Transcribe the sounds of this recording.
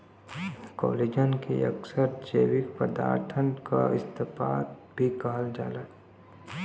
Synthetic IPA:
kɔ̰ːleːd͡ʒənkḛɐ̰ksəɾd͡ʒeːwɪkpəd̪a̰ːɾt̪ʰənka̰ɪst̪əpaːt̪bʱikaːəld͡ʒa̰ːlat̪

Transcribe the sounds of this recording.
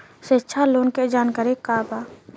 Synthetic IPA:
setːt͡ʃʰaloːnked͡ʒaːnkaɾekaːbaː

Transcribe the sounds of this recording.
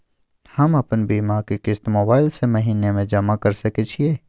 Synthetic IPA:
hɐmɐpənbiːmaɾkekɪst̪moːbaːɪlsemɐɦiːnemẽd͡ʒɐmakɐɾsɐket͡ʃʰieː

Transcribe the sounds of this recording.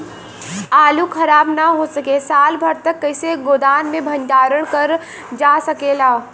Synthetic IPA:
aːlukʰɐɾaːbnaɦosɐkesaːlbʱɐɾt̪ɐkːɐɪseɡoːd̪aːnmẽbʱɐ̃nʈaːɾəɽ̃kɐɾ | d͡ʒaːsɐkeːlaː

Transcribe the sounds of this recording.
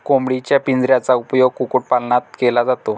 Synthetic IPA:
komɽit͡ɕjapind͡zɾjat͡saupjoɡ̚kukuʈ̚palɳat̪̚kelad͡zat̪o

